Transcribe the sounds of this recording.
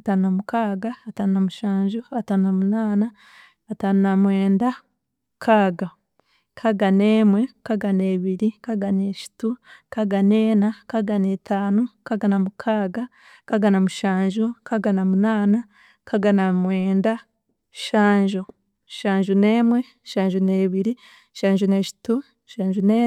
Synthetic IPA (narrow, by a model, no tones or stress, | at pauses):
ataːnunamukaːɡaːtanunamuʃaːɲʒoatannamunaːnaː | tanunamweːnda | kʰaːɡa | kʰaɡaneːmwe̞kaɡaneːβiɾikaɡaneʃi̥tukaɡaneːnakaɡanetaːnokaɡanamukʰaːɡa | kaɡanamuʃaːɲʒukaɡanamunaːna | kaɡanamweːnda | ʃaːɲʒu | ʃaːɲʒuneːmwe | ʃaːɲʒuneːβiɾi | ʃaːɲʒuneʃi̥tu | ʃaːʒuneː